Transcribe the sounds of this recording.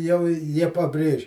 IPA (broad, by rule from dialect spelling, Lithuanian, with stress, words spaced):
jɛʊ ɪ ˈjiɛ pɐˈbʲrʲeːʃʲ